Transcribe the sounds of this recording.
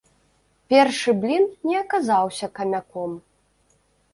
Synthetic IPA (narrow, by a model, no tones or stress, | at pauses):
pʲɛrʂɨblʲinnʲɛɐkazawsʲɐkɐmʲakɔm